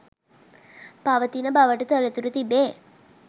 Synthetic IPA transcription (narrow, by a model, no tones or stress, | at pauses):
pɐʋɐt̪inɐbaʋəʈut̪ɔlet̪uɾut̪ibe